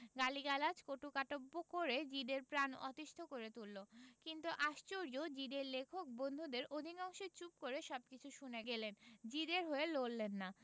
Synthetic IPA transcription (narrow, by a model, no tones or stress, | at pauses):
ɡaliɡalad͡ʑkoʈukaʈobːokoɾed͡ʑiɖeɾpɾanɔ̰t̪iʃt̪ʰokoɾet̪ulːokint̪uʔaʃt͡ɕoɾiod͡ʑiɖeɾlekʰok̚bond̪ʱud̪eɾʔod̪ʱinɔŋʃeɾt͡ɕup̚koɾeʃɔb̚kit͡ɕʰuʃuneɡelend͡ʑid̪eɾɦoelolːenːa